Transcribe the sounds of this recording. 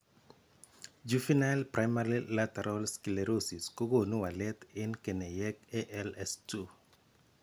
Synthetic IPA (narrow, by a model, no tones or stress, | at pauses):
d͡ʒufinalprajmaɾilatɛɾʔɔlskileɾosiskoɡonuwalɛt̪ɪnkenɛjɛkɛʔɛlɛstu